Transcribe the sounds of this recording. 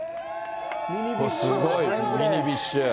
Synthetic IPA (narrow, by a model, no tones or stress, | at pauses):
sɨɡoimʲiɲibiɕːɨ